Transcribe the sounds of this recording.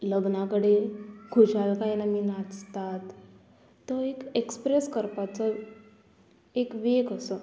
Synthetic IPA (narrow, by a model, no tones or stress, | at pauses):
ləɡnakəɽeːlɡʱud͡ʑalkainaminat͡st̪at̪ː | əekekspɾeskəɾpat͡sə | ekʋekəsə